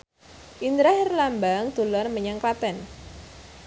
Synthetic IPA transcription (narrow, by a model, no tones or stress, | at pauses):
ʔind̪ɾahrlambaŋd̪̥o̤lɔrməɲaŋkat̪ɛn